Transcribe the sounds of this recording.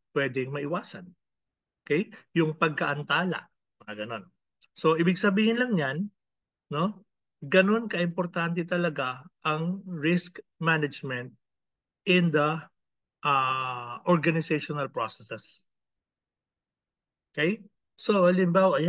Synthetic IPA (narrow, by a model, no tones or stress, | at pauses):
pwɛd̪ɛŋmɐʔɪwaːsɐn | ʔʔokɛjjʊŋpɐɡ̚kɐʔɐnt̪aːlɐ̰ʔ | mɐŋɐɡɐno̞n | so̞ʔɪbɪɡ̚sɐbiːhɪnlɐŋɲan | no̞ | ɡɐno̞nkɐʔɪmpoɾt̪ant̪̬ɛt̪ɐlɐɡaʔɐŋɹɪskmanɐd͡ʒmɛnt̪̚ | ʔɪnd̪ɐ | ʔaʔoɹɡɐnɪsɛjʃonɐlpɹosɛsɛs | ʔʔʔokɛj | so̞ʔɐlɪmbaːwɐʔɐj